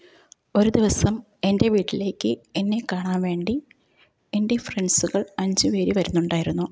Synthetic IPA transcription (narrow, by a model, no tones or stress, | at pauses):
o̞ɾud̪iʋɐsɐm | e̞nde̞ʋiːʈːile̞ːkʲːɨenːe̞kːaːɳaːnʋe̞ːɳɖi | endefreɳsuɣɐɭɐɲd͡ʑɨʋe̞ːɾiʋɐɾunːuɳɖaːjiɾunːu